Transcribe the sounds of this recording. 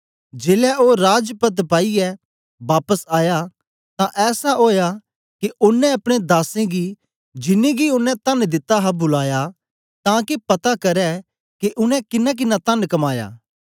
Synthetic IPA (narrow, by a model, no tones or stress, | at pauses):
d͡ʒeːlɛʔoːɾaːd͡ʒpət̪paːiɛ | baːpəsaːja | t̪ãʔɛːsaɦoːja | keʔʊnːɛ̃ɐpɽ̃ed̪aːsẽɡi | d͡ʒɪnːeɡiʊnːɛ̃t̪ɐnd̪ɪt̪ːaɦɐbʊlaːja | t̪ãːkepɐt̪akɐɾɛ | keʔʊnɛ̃kɪnːɛ̃k̬ɪnːat̪ɐnkɐmaːja̰ː